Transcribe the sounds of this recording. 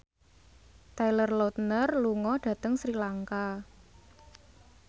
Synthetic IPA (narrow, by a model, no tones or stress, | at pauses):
t̪ajlərlot̪nərluŋɔɖ̥ä̤t̪əŋsɾilaŋka